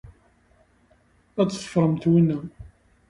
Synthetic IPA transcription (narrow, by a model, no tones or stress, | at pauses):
æt͡sːθˤə̥fɾˤəmt̪winːæ